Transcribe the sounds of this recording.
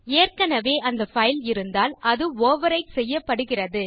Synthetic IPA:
eːrkɐnɐʋeːʔɐnd̪ɐfɐɪlɪɾɯnd̪aːlʔɐðɯoːʋɐɾɐɪsɛjːɐpːɐɽɯɣɪrɐðɯ

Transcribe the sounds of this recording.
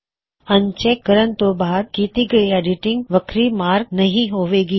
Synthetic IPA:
ɐ̃ɲt͡ʃeːkːəɾənt̪obaːd̪̚kiːt̪iɡɐieːɖɪʈɪ̃ŋɡʋɐkʰɾimaːɾɡ̚nɐɦĩɦoːʋeːɡiː

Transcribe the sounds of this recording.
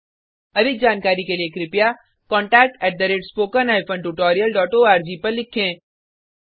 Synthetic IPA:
ɐd̪ʱɪk̚d͡ʒaːnkaːɾikeliekɾɪpja | kɔ̃ːɳʈɛːk̚ʈɛːʈ̚d̪ɐɾeːɖspoːkənaːɪpʰə̃ɳʈuʈɔːɾijəlɖɔːʈoːaːɾd͡ʒiːpɐɾlɪkʰːẽː

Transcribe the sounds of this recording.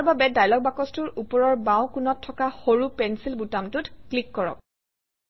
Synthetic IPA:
aɹbabɛdajlɔk̚bakɔstʊɹupɔɹɔɹbãw̃kunɔtʰːɔkaxoɹupɛnsilbutamtʊtklikːɔɹɔ̰k̚

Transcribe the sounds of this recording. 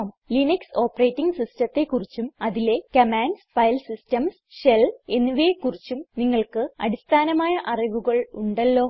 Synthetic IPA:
m | linikso̞ːpːɐreːtːiŋɡsistɐt̪ːe̞kːurit͡ɕːumɐðile̞kɐmaːnsfɐjlsistɐms | ɕele̞nːuʋekːurit͡ɕːumniŋːɐɭkɨɐ̰ɽist̪ʰaːnɐmaːjɐʔɐriʋuɣɐɭuɳɖɐlːo̞ː

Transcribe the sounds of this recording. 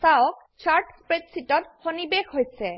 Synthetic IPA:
saɔk̚ | t͡ʃʰaɹʈspɹedsitɔtxonibexɦojsɛ

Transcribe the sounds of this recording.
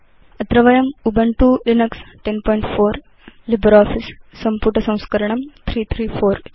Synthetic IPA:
ɐt̪ɾɐʋɐjɐmubɐɳʈuːɾinɐksʈenpɔːjɳʈfoːɾ | libɐɾɔːfisːɐmpuʈɐsɐ̃w̃skɐɾɐɳɐmt̪ʰɾiːt̪ʰɾiːfoːɾ

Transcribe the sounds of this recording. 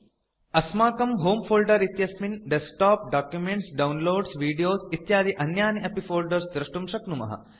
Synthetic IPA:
ɐsmaːkɐmɦoːmfʰoːlɖɐɾit̪jɐsminɖesʈaːp̚ɖaːkjumeɳʈsɖɐwnloːɖsʋiːɖijoːsit̪jaːd̪iʔɐnjaːniʔɐpifʰoːlɖɐɾsd̪ɾɐʂʈumʂɐknumɐ̰ɦɐ̰

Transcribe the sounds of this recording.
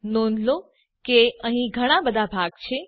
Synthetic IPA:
nonlo | keəɦĩɡʱəɽ̃abəd̪ʱabʱaɡt͡ʃʰe

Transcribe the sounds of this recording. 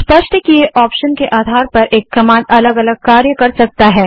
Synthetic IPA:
spɐʃʈəkieʔɔːpʃənkeʔaːd̪ʱaːɾpɐɾʔeːkːɐmãːnɐləɡɐləɡ̚kaːɾjəkɐɾsɐk̚t̪aɦɛː

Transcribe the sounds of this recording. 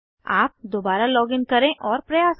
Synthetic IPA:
a̰ːp̚d̪oːbaːɾalɔːɡɪnkɐɾẽʔɔːɾpɾɐjaːs

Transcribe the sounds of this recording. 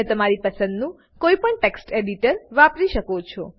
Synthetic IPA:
et̪əmaɾipəsə̃nd̪nũ | koipəɳʈeksʈeɖiʈəɾʋapɾiʃəkot͡ʃʰɔ

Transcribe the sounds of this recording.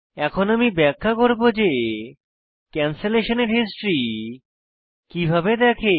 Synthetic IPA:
ɛkʰonamibɛkʰːakoɾbod͡ʑe | kɛnseleʃoneɾɦisʈɾi | kibʱabed̪ɛkʰe

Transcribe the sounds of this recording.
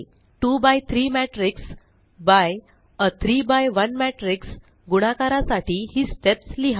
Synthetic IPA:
ʈuːbajt̪ʰɾiːmæʈɾiks | baj | ət̪ʰɾiːbajʋənmæʈɾiks | ɡuɽ̃akaɾasaʈʰiːhiːsʈepsliɦa

